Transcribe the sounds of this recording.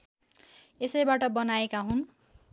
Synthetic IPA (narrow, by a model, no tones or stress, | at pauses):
esʌjbaʈʌbʌnaekaɦun